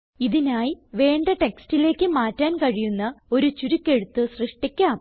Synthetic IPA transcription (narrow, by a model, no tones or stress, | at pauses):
iðinaːjiʋe̞ːɳɖɐʈekstile̞ːkʲːɨmaːtːaːnkɐɻijunːɐo̞ɾut͡ɕuɾukʲːe̞ɻut̪ːɨsrɨʂʈikʲːaːm